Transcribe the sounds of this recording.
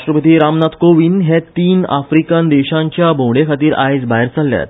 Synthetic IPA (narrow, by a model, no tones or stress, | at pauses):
ʃʈɾəpət̪iːɾamnat̪koʋiːnɦet̪iːna̰fɾikənd̪eɕãɲt͡ɕjabʱõɽekʰat̪iːɾa̰jd͡zbaɦeɾt͡salːja̰t̪